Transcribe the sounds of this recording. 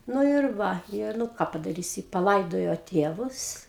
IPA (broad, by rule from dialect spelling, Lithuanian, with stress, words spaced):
ˈnʊ ɪr ˈʋɐ ɪr nʊ ˈkɑː pɐdɐˈrʲiːsʲɪ pɐˈlˠɐɪdoːjoː ˈtʲeːʋʊs